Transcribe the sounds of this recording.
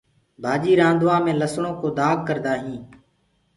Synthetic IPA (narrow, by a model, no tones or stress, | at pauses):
bʱaːd͡ʒiːɾãːnd̪ʋãːmẽːləsɳõːkoːd̪aːɡ̚kəɾd̪aːɦĩː